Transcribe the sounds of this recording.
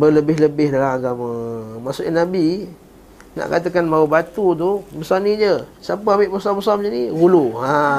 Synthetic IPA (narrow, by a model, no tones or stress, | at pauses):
bələbɪɦləbɪhdalamaɡamə̃masuʔanabi | na̰ʔkat̪əkanbaubat̪ut̪̬ubəsanid͡ʒəsapəambɪʔbəsambəsamd͡ʒəniɡuluɦa